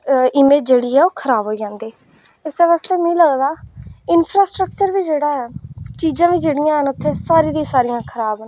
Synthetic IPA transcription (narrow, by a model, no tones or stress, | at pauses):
ɪmeːd͡ʒeːɽiːɦɛːoːkʰəɾaːbɦoːiːd͡ʒãːnd̪eː | ɪsɛːʋaːst̪eːmẽːləɡd̪aːɪnpʰɾaːsʈɾək̚t͡ʃəɾʋiːd͡ʒeːɽaːɦənt͡ʃiːd͡ʒãːʋiːd͡ʒeːɽɪjãːɦənʊt̪ʰːeːsaːɾiːd̪ĩːsaːɾɪjãːkʰəɾaːbnː